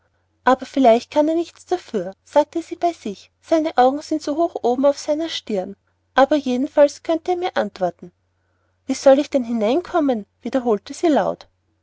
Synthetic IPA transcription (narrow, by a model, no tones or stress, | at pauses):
ʔaːbɐfɪlaɪçt̚kʰaneːɐnɪçt͡sd̥afyːɐsaːk̚təziːb̥aɪzɪç | saɪnəʔaʊɡŋ̩zɪntsoːɦoːxʔoːbm̩aʊfsaɪnɐʃtɪɐn | ʔaːbɐjeːdn̩falskʰœntəeːmiːɐʔantv̥ɔɐtn̩ | viːz̥ɔlɪçd̥ɛnɦɪnaɪnkʰɔmənv̥iːdɐɦoːltəziːlaʊt